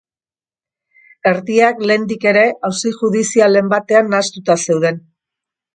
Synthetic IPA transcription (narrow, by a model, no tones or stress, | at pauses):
e̞ɾðiakle̞ːnd̪ike̞ɾe̞ʔawsiʝuðisiale̞mbat̪e̞anːast̪ut̪ase̞wð̞e̞n